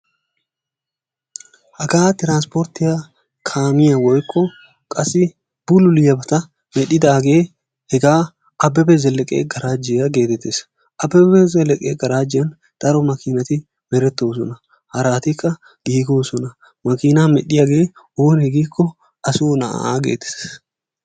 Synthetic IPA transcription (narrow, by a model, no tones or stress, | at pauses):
hɐɡaːt̪ɪɾaːnspɔɾt̪ɪjɐ | kʰaːmɪjɐwɔjkʰːɔ | kʼɐsɪ | b̥ʊlʊlɪjɐbɐt̪ɐ | mɛɗɪd̪ɐːɡe̞ː | hɛɡaː | ʔɐbːɛbɛzɛlːɛkʼḛːɡɐɾaːd͡ʒɪjɐɡe̞ːt̪ɛt̪ːeːs | ʔɐbːɛbɛzɛlːɛkʼḛːɡɐɾaːd͡ʒːɪjɐn | d̪̥ɐɾɔmɐkiːnɐt̪ɪ | bɛɾɛt̪ːoːs̬ɔnɐ | hɐɾaːt̪ɪkːɐ | ɡ̥iːɡoːsɔnɐ | mɐkiːnaːmɛɗɪjɐɡe̞ː | oːnhɛɡiːkʰːɔ | ɐsuːnɐʔa̰a̰ːɡḛːt̪e̥s